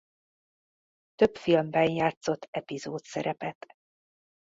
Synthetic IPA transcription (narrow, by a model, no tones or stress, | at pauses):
t̪øpfilmbɛnjaːt̪so̞t̪ʰːɛpizoːt̪sɛɾɛpɛt̪